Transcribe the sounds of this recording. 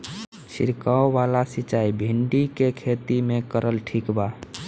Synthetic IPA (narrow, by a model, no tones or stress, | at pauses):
sḭɾkaoʋalasit͡ʃaibʱiɳɖikekʰet̪imekəɾəlʈʰikba